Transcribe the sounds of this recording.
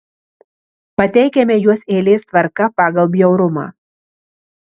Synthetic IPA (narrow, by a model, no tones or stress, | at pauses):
pɐt̪ʲɛɪkʲɛmʲɛjuɔseːlʲeːst̪ʋɐɾkɐpɑːɡɐlˠbʲjɛʊɾʊmɑ̰ː